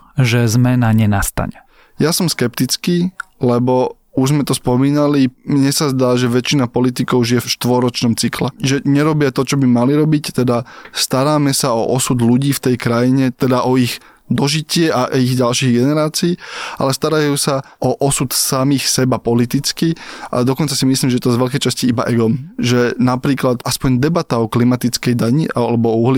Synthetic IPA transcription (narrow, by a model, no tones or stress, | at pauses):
ʒɛzmɛnaɲɛnast̪a̰ɲɛ | jasɔmskɛpt̪it͡skiːlɛbɔ | uʒzmɛt̪ɔspɔmiːnalimɲɛsazd̪aːʒɛʋɛt͡ʃinapɔlit̪ikɔʊʒijɛfʃt̪ʋɔɾɔt͡ʃnɔmt͡siklɛʒɛɲɛɾɔbɪat̪ɔt͡ʃɔbimaliɾɔbict̪ɛd̪ast̪aɾaːmɛsaɔ̰ʔɔsud̪luɟiːft̪ɛjkɾajiɲɛt̪ɛd̪aʔɔiɣ | d̪ɔʒicɪɛʔaʔiɣɟalʃiːɣɡɛnɛɾaːt͡siːa̰lɛst̪aɾajuːsa | ʔɔʔɔsut̪samixsɛbapɔlit̪it͡skiʔa̰d̪ɔkɔnt͡sasimislimʒɛjɛt̪ɔzʋɛʎkɛjt͡ʃasciibaʔɛɡɔmʒɛnapɾiːklat̪aspɔɲd̪ɛbat̪aɔklimat̪it͡skɛjd̪aɲiʔalɛbɔuɦli